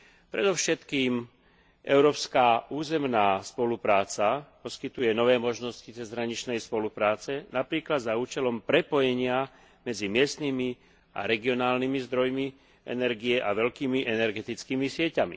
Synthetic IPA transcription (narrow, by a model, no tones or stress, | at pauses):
pɾɛd̪ɔʊʃɛt̪kiːm | ʔɛʊɾɔːpskaːuːzɛmnaːspɔlupɾaːt͡sapɔskit̪ujɛnɔʋɛːmɔʒnɔscit͡sɛzɦɾaɲit͡ʃnɛjspɔlupɾaːt͡sɛnapɾiːklad̪zauːt͡ʃɛlɔmpɾɛpɔjɛɲɪa | mɛd͡zimɪɛst̪nimi | a̰ɾɛɡiɔnaːlnimizd̪ɾɔjmi | ɛ̰nɛɾɡijɛʔaʋɛʎkiːmiʔɛnɛɾɡɛt̪it͡skiːmisɪɛcamḭ